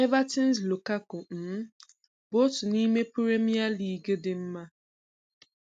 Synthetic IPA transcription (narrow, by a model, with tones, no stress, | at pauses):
e˦va˦ti˦n˦slo˨ka˦ko˨n̩˨˦ | bo˦tu˨ni˦me˦pu˦ɾe˦mi˦a˦liː˨ɡe˦dɪ˨m̩˦ma˦